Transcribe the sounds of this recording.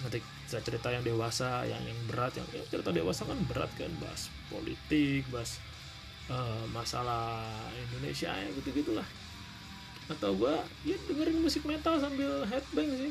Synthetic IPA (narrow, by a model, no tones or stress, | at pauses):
ŋət̪ik | t͡ʃat͡ʃəɾit̪ajaŋdewasaja̰ŋjaŋbəɾat̪ja̰ŋja̰ŋt͡ʃəɾit̪adewasakanbəɾa̰t̪̚ka̰nba̰ɦa̰s | po̰lḭt̪ɪk̚baɦas | əmasalahindonḛsia̰ɲa̰ɡit̪uɡit̪ulah | at̪awɡua | adəŋəɾɪŋmusɪk̚mɛnt̪als̬ambɪlɦɛt̪̚bɛŋsɪ